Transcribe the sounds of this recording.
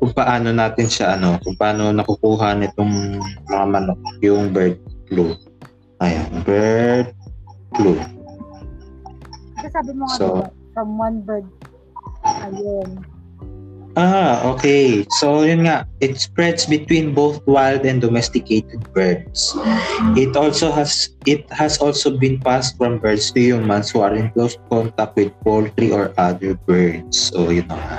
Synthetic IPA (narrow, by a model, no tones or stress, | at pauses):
kʊŋ̚pɐʔaːnonaːt̪ɪnʃaʔɐno̞kʊɡ̚pɐʔaːno̞nɐkʊkuːɦɐnɪt̪oŋmɐŋamɐnokjʊŋbɛɹd̪̚klu | ʔɐja̰nbɛd̪̚klu | ɐɡasaːbɪmosofɹɐmwɐnbɛd̪̚ku | ɐjon | ʔaʔokejsojʊnŋaʔɪt̪spɹɛd̪sbɪt̪wĩnbowθwajld̪ɛ̃nd̪ɔmɛst̪ɪkejt̪ɛd̪̚bɛɹd̪sʔɪt̪ʔolsoɦɐsʔɪt̪̚hɐsʔolsobɪ̃npast̪̚fɹɔ̃mbɛɹd̪st̪ʊjumãnshuɐɹɪ̃nklowskɔnt̪ak̚t̪̚wɪd̪̚poltɾiʔɔɹʔad̪əɹbɛɹd̪̚sojʊnːo̰ŋa̰ʔ